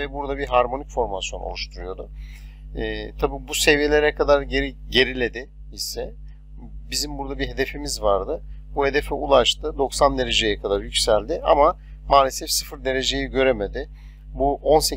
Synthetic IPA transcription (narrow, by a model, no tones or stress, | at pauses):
vɛbuɾd̪abiɦaɾmo̞nicfo̞ɾmasjo̞no̰lˠuʃt̪ʰuɾujo̞d̪ʊː | t̪ʰabiːbuse̞vije̞lʲe̞ɾɛkʰad̪aɾɟeɾɟe̞ɾilʲe̞d̪ɪ | isɛ | bizimbuɾd̪abiɦe̞d̪e̞fimizvaɾd̪ɯbuhe̞d̪e̞fɛulˠaʃt̪ʰɯd̪o̞ksand̪e̞ɾe̞d͡ʒe̞jɛkʰad̪aɾjycʲsælʲd̪ɪʔa̰ma | maːlʲesɛfsɯfɯɾd̪e̞ɾe̞d͡ʒe̞jiɟø̞ɾe̞me̞d̪ɪ | buʔo̞nse